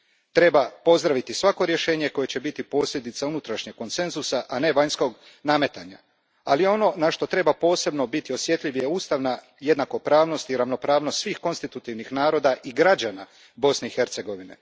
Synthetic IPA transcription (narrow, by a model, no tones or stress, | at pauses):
t̪ɾe̞bapo̞zd̪ɾaʋit̪isʋako̞ɾje̞ʃe̞ːɲe̞ko̞je̞t͡ɕe̞bit̪ipo̞ːsʎʲed̪it̪saunut̪ɾaʃɲe̞ɡkko̞nse̞nzusaʔane̞ʋaɲsko̞ɡ | name̞t̪aɲa̰ | alijo̞no̞naʃt̪o̞t̪ɾe̞bapo̞ːse̞bno̞bit̪io̞sje̞t̪ʎʲiʋieuːst̪aʋna | je̞d̪nako̞pɾaːʋno̞st̪iɾaʋno̞pɾaːʋnost̪sʋiːxko̞nst̪it̪ut̪iʋnixnaːɾo̞ːd̪aʔiɡɾad͡ʑana | bo̞sne̞ixe̞ɾt̪se̞ɡo̞ʋine̞̰